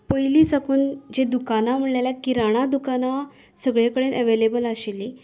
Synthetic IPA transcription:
pəjliːsakuːnd͡ʑed̪ukanam̤əɽlalakiɾaɽ̃ad̪ukana | səɡɭjakəɽenʔəʋelebəlaɕeli

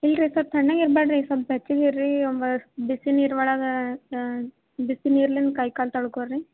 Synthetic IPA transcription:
ilɾisaːɾt̪ʰɐɳːaːɡiɾbaɖɾisabbɐt͡ʃːiɡiɾːiɔmbɐbisiniːɾʋɐɭaːɡɐ | bisiniːɾlinkɐjkaːlt̪ɐɽukoɾɾi

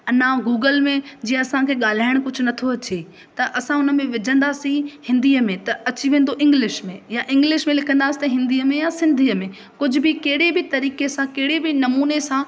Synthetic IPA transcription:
ɐnãɡuːɡəlmẽd͡ʑĩːə̃ɐsãkʰeːɠaːl̤aːɪɽ̃kʊd͡ʑʱʊnɐt̪ʰoɐt͡ɕe | t̪ɐʔɐsãʊnə̆mẽʋɪd͡ʑʱə̃nd̪aːsĩhɪ̃nd̪iːəmẽt̪ɐɐt͡ɕiʋẽːn̆d̪oʔɪ̃ŋɡlɪʃmẽjaʔɪ̃ŋɡlɪʃmẽlɪkʰə̃nd̪aːsi̥t̪ɦɪ̃nd̪iəmẽjasɪ̃nd̪ʱiːəmẽ | kʊd͡ʑʱʊ̆bɪkɐɦɪɽebɪt̪ɐɾiːkesãkeɦɪɽebɪnɐmuːnesã

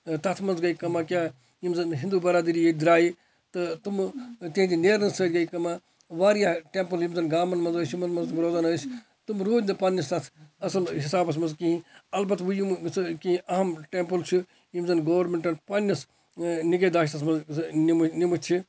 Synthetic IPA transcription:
t̪ɐt̪ʰmɐnzɡɐikɐmaːkʲjaː | jimzɐnɦĩnd̪uːbɐɾaːd̪iɾijed̪ɪɾaːji | t̪ɐt̪umt̪iɦt̪ineːɾɐnsɐːt̪ʲɡɐikɐmãː | ʋaːɾijaːʈẽːmpɨljimzɐnɡaːmɐnmɐnzɐsimɐnmɐnzt̪mɾoːzaːnɐs | t̪umɾoːd͡ʒʲnɨpaːnːɐst̪ɐt̪ʰɐsɐlɦɪsaːbɐs̬mɐnzkiɦĩɐlbɐt̪ʋujimskiɦĩʔɐɦɐmʈeːmpɨlt͡ʃʰu | jimzɐnɡɐːʋɐɾmeɳʈɐnpaːnʲːɐs | niɡɐd̪aːʃ̬t̪ɐsmɐnznimnimɐt͡ʃʰi

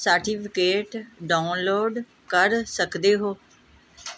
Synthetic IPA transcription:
səɾʈiːpʰɪkeːʈɖaːʊnloːɖ | kəɾsəkd̪eːɦoː

